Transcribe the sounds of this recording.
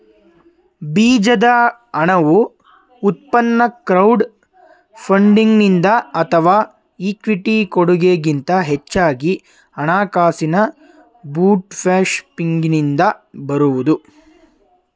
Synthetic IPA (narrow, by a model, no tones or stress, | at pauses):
biːd͡ʒɐd̪ɐɐɳɐʋuː | t̪̚pɐnːɐkɾɐwɖ | pʰɐɳɖiŋɡnind̪ɐɐt̪ʰɐʋaː | iːkʋiʈikoɽuɡeːɡint̪ɐɦet͡ʃːaːɡi | ɐɳaːkaːsinɐ | buːʈpʰaːʂpiŋɡnind̪ɐbɐɾuʋud̪u